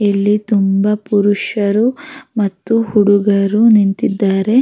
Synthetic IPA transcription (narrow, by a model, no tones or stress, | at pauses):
ilːit̪umbɐpuɾuʂɐɾumɐt̪ːuhuɽuɡɐɾunint̪id̪ːaːɾe̞